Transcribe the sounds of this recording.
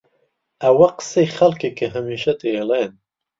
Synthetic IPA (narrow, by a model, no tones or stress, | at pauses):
ɐwɐqɨ̥sejxɐlkekʰəɦɐmiːʃɐt̪elen